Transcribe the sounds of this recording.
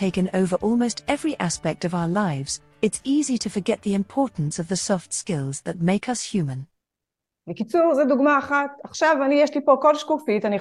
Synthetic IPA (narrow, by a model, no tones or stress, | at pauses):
tʰeɪkɨ̃noʊvə˞ʔɔlˠmoʊstʰɛvɹiʔæspɛk̚tʌvaʊə˞laɪvz̥ | ɨtsiziɾɨfə˞ɡɛt̪̚ðiɨ̃mpʰɔɹʔn̩sʌvðɨsɔftskɪlˠzðɨt̚meɪkʰʌshjʉmɨ̃n | bekit͡suʁzɛduɡmaːχataχʃavanijɛʃlipokolʃkufitani